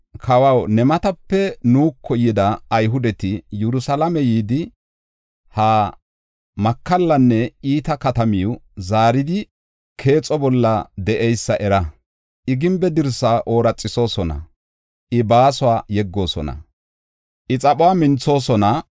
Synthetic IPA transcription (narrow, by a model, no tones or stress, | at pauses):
kʰɐwɐwnɛmɐt̪ɐpːɛnuːkʰːɔjɪd̪ɐːjɦʊd̪ɛt̪ɪjɛɾʊsɐlɐmɛjiːd̪ɪ | haː | mɐkːɐlːɐnːɛiːt̪ɐkɐt̪ɐmiwzaːɾɪd̪ɪ | kʰe̞ːt͡sʼɔbɔlːɐd̪ɛʔɛjsːɐʔɛɾɐ | ʔɪɡɪmbɛd̪ɪɾsaːʔo̞ːɾɐt͡sʼːɪso̞ːsɔnɐ̰ | ʔɪbaːsʊwaːjɛɡːo̞ːsɔ̰nɐ̰ | ʔɪt͡sʼɐpʼʊwaːmɪnt͡sːo̞ːsɔnɐ